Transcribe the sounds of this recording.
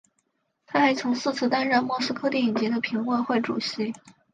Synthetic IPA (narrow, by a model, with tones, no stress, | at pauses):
t̪ʰa˥xa˧˥ɪt͡sʰʊ˧˥ŋsɹ̩˥˧t͡sʰɹ̩˥˧t̪a˥nɻə˥˩nmwɔ˥˩sɹ̩˥kʰɤ˥t̪ji˥˩i˨˩nt͡ɕɛ˧˥d̪ə˧pʰi˧˥ŋwə˥˧xwe˥˩ɪʈ͡ʂṵ˨˩ɕi˧˥